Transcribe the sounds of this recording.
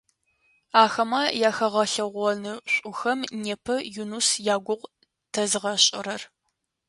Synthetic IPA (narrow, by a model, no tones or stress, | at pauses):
aːxɐmɐjaːxɐʁɐɬɐʁʷɔnɨɕʷʼʊxɐmneːpʰɐjunusjaːɡʷʊʁ | tʰɐzɨʁɐɕʼɪ̰ɾɐr